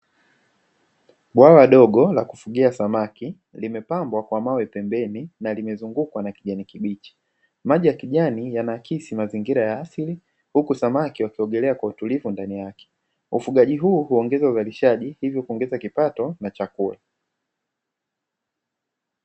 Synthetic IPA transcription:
ɓwawaɗɔɡɔlaku̥fuɡiasamaki | limɛpambwakwamawɛpɛmbɛninalimɛzuŋɡukwanakiʄanikiɓit͡ʃi̥ | maʄijakiʄanijanakisimaziŋɡiɾajaasili | hukusamakiwakiɔɡɛlɛakwautulivundanijakɛ̥ | ufuɠaʄiɦuːhuɔŋɡɛzauzaliʃaʄihivjɔkuɔŋɡɛzakipatɔnat͡ʃakula

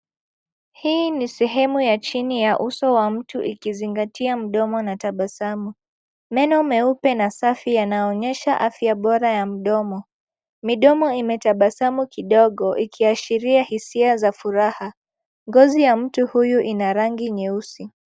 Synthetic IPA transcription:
hiːnisɛɦɛmujat͡ʃinijaʔusɔwam̩tuʔikiziŋɡatiam̩ɗɔmɔnataɓasamu | mɛnɔmɛupɛnasafijanaɔɲɛʃaʔafjaɓɔɾajam̩ɗɔmɔ | miɗɔmɔimɛtaɓasamukiɗɔɠɔʔikʰiaʃiɾiahisiazafuɾaha | ŋɡɔzijam̩tuhujuʔinaɾaŋɡiɲɛusi

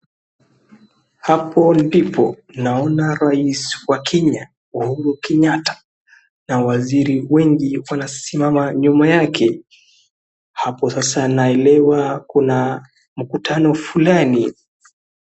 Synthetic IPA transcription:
hapʰɔndipʰɔ | naɔnaɾaiswakɛɲa | uhuɾukɛɲatḁ | nawaziɾiwɛŋɡiwanasimamaɲumajakʰɛ | hapɔsasanaɛlɛwakuna | m̩kutʰanɔfulani

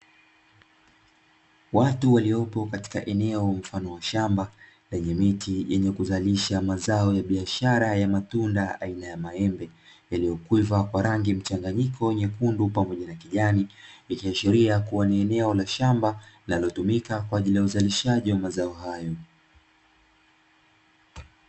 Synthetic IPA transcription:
watuwaliɔpɔkati̥kaʔɛnɛɔm̩fanɔwaʃamba | lɛɲɛmitʰijɛɲɛkuzaliʃamazaɔjaɓiaʃaɾajamatundaa̰inajamaɛmbɛjalijɔkwivakwaɾaŋɡim̩t͡ʃaŋɡaɲikʰɔɛɲɛkundupamɔʄanakiʄaniikiaʃiɾiakuwaniɛnɛɔlaʃambalinalɔtumikakwaaʄilijauzaliʃaʄiwamazaɔhajɔ

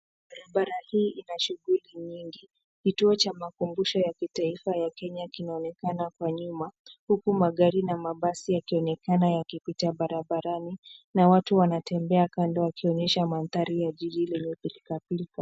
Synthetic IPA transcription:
ɓaɾaɓaɾahiːʔinaʃuɣuliɲiŋɡi | kituɔt͡ʃamakumbuʃɔjakitaifajakɛɲakinaɔnɛkanakwaɲumahukumaɠaɾinamaɓasijakiɔnɛkanajakipitaɓaɾaɓaɾaninawatuwanatɛmbɛakandɔwakiɔɲɛʃamanθaɾijaʄiʄilɛɲɛpilkapilka

